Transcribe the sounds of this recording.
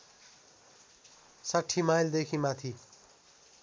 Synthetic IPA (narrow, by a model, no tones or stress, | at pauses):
saʈʰːimajld̪ekʰimat̪ʰi